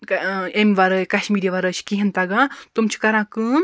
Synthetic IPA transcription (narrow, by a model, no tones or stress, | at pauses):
emʲʋaɾəjkaʃmiɾiʋaɾət͡ʃʰkiɦint̪aɡat̪umt͡ʃʰi̥kɐɾãkɨ